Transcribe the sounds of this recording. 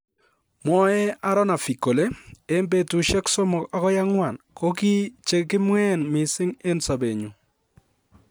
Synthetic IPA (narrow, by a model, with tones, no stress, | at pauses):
mɔ˦ɛ˦a˦ɾɔ˦na˨fi˨ko˨le˦e˦mbe˨tu˨ʃɛ˦kso˦mɔ˨a˦kɔ˦ja˦ŋwa˨nko˦ki˦t͡ʃe˨kɪ˦mwɛ˦˨nmɪ˨sɪ˦ŋe˦nsa˨be˨ɲu˨